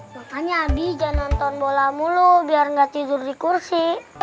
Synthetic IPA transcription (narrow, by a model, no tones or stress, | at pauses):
makaɲaːbid͡ʒanɔnt̪ɔnbolamulubiarŋɡat̪idʊrdikursi